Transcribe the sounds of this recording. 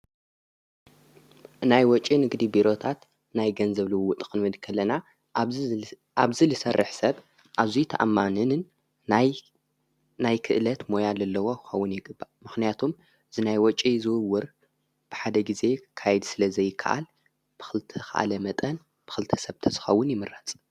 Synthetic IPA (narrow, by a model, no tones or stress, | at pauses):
najwɔt͡ʃʼinɨɡd̪ibiɾo̞t̪ʰat̪ | najɡɐnzɐβlɨwut̪ʼkʼɨnmɨd̪kʰɐlːɐna | aβzilɨsɐrːɨħsɐβ | ʔaβzit̪ʰɐ̰ʔamːanɨnɨn | najkʰɨʔlɐt̪mo̞jalɐlːɐwo̞kʰɨxɐwːʊnjɪɡɨbːamɨxnijat̪ʰom | z̥ɨnajwɔt͡ʃʼizɨwɨwːɨɾ | b̥ɨħad̪ɐɡize̞kʰajd̪sɨlɐzɐjɪkʰːa̰ʔa̰l | b̥ɨ̥xɨlt̪ʰɨxa̰ʔa̰lɐmɐt̪ʼɐn | b̥ɨxɨlt̪ʰɐ̥sɐβt̪ʰɐzɨ̥xɐwːʊnjɪmɨrat͡sʼ